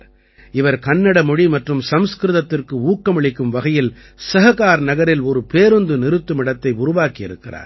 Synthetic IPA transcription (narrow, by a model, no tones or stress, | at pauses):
ɪʋɐɾkɐnːɐɽɐmɔɽimɐʈrɯmsɐmskɾɯðɐt̪ːɪrkɯuːkːɐmɐɭɪkːɯmʋɐɣɐjɪl | sɐɣɐɣaːɾnɐɣɐɾɪlɔɾɯpeːɾɯnd̪ɯnɪɾɯt̪ːɯmɪɽɐt̪ːɐɪʊɾʊʋaːkɪɪ̰ɾɯkːɪra̰ːɾ